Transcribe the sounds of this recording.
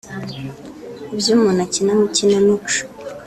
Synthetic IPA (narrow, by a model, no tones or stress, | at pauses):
ibjuːmunacinamucinamit͡ʃu̥